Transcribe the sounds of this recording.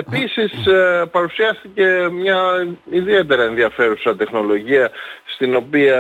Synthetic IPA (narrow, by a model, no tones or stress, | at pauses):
e̞pisispɐɾusiɐst̪ice̞mɲɐiðie̞t̪e̞ɾɐe̞nðiɐfe̞ɾusɐt̪e̞xno̞lo̞ʝiɐst̪ino̞piɐ